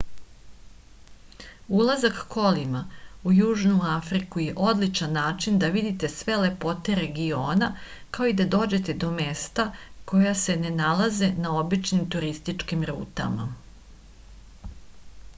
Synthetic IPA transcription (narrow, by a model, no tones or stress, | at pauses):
ulˠazakko̞limaujuːʒnuafɾikuje̞ʔo̞d̪lit͡ʃanːaːt͡ʃind̪aʋid̪it̪e̞sʋe̞le̞po̞t̪e̞ɾe̞ɡio̞ːna | kao̞id̪ad̪o̞ːd͡ʑe̞t̪e̞d̪o̞me̞st̪ako̞jase̞ne̞nalaze̞nao̞bit͡ʃnimt̪uɾist̪it͡ʃkimɾṵːt̪a̰ma̰